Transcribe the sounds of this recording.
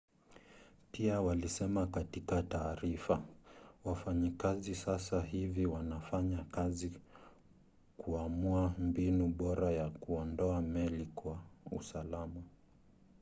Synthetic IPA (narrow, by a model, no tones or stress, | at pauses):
piawalisɛmakatikataːɾifawafaɲikazisasaɦiviwanafaɲakazi | kuamuambinuɓɔɾajakuɔndɔamɛlikwaṵsalama